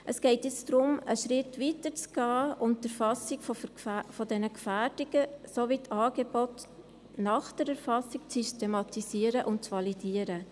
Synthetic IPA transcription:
ʔəsɡ̥ɛɪtjɪt͡sdɾʊməʃɾɪtʋitəɾt͡sɡ̥ɑːʊnəɾfɑsɪɡffodɛnəkfæːɾd̥ɪɡ̥əsoʋitʰɑːɡ̥ebɔt | nɑχd̥əɾɛɾfɑsɪk̚t͡systemɑtisiəɾəʔʊnt̚t͡sʋɑlidiəɾə

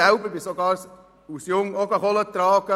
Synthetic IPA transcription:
ɛʊbəɾbɪsoɡɑːɾs | usjʊŋɔkɑχɔlət̪ɾɑːɡə

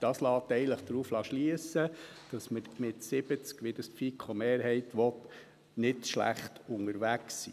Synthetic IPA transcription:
d̥ɑːslɑːt̪ːɛɪɡələχd̥ɾuːflɑʃliəsəd̥ɑsməmɪtsɪbət͡skʋid̥ɑspfikʰχomeːɾɦɛɪtʋɔt | nɪdʃlæ̰χtʊŋəɾʋæksḭː

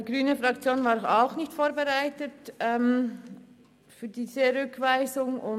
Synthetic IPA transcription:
ɡʁyːnəfʁakt͡sjoːnvaːɾaʊxnɪçtfoːɐbeʁaɪtətɛm | fyːdiːzəɾʏkʰvaɪzʊŋʊ

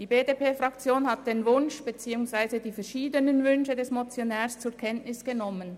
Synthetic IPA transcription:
d̥iːbeːdeːpeːfʁakt͡sjoːnhat̚d̥envʊnʃb̥et͡siːʊŋsv̥aɪzədiːfɛɐʃiːdənənvʏnʃədɛsmot͡sjonɛːst͡sʊɐkʰɛntnɪsɡ̥ənɔmən

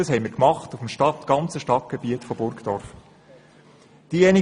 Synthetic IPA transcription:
ɑshɛɪmiɾkmɑχtufm̩ʃtɑtɡ̥ɑnt͡səʃtɑt̚ɡ̥ebiətfɔbʊɾkd̥̪ɔɾf | d̥ijɛni

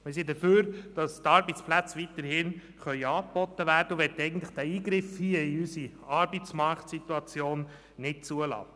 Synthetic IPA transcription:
mɪɾsid̪əføːɾd̥ɑst̪ɑɾbɛt͡splæt͡sʋit̪əɾhɪn | χœʏɑːk̚b̥ɔt̪ːəʋæːɾdəuʋɛt̪ːɛɪɡən̩tləχd̥æiːɡɾɪfhiəɪysi | ɑɾbɛt͡smɑɾktsit̪uɑt͡sjoːn | nɪt̚t͡suəlɑ̰ː

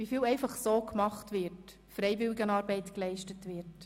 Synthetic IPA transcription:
ʋifiːlɛɪfɑχsoːkmɑχtʋɪɾt | fɾɛɪjʋɪlɪɡənɑːɾbɛɪtklɛɪʃtətʋɪt

